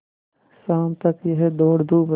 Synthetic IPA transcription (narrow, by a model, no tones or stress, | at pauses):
saːmt̪ɐkjeɦɛd̪oːɽd̪ʱuːb